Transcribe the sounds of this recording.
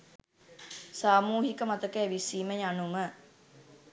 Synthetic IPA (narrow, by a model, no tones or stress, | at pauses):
saːmuːɦikəmat̪əkeːʋisiːməjanumə